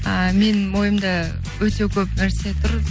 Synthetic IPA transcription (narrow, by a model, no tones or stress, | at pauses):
əme̞nwo̞jəmd̪ɑ | wɵt̪e̞kʲʰɵpnæɾse̞t̪ʰʊɾ